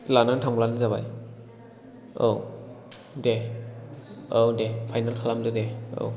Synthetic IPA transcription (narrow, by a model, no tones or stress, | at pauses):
lanantʰaŋblanɯzabaj | ow | dɛ | owdɛpʰajnalkʰalamdɯdɛo̰w